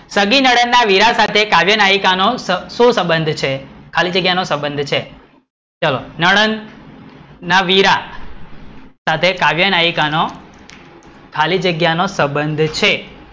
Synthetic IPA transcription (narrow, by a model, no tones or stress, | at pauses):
səɡinəɽənːaʋiɾasat̪ʰekaʋjənajikanosəsũsə̃mbənd̪ʱt͡ʃʰekʰalid͡ʒəɡjanosə̃mbənd̪ʱt͡ʃʰe | t͡ʃəlo̰nəɽənː | aʋiɾa | sat̪ʰekaʋjənajikano | kʰalid͡ʒəɡjanosə̃mbənd̪ʱt͡ʃʰe